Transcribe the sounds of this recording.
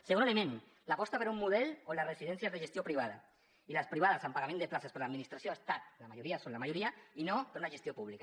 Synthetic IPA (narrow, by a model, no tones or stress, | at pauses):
seɣonelemẽn | lapɔst̪apeɾummuðɛlolaresiðɛnsjazðeʒest̪jopɾiβ̞aða | ilaspɾiβ̞aðasampaɣamẽnd̪eplasespeɾlaðminist̪ɾasjoest̪at̪̚lamaʒuɾiasonlamaʒuɾiainopeɾunaʒest̪jopuβlika